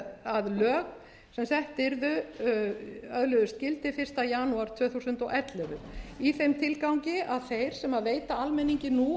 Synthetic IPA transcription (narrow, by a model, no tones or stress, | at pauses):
aðlœːɣ | sɛmsθɛht̪ɪɾðʏ | œðlœðʏst̪cɪlt̪ɪfɪr̥st̪ajaːnuaɾ̥t̪ʰv̥œːθusʏnt̪ɔɣʔɛt̪lɛðʏiθejmt̪ʰɪlkawɲcɪaðθejɾ̥sɛmaðveːjt̪aalmɛnːiɲcɪnu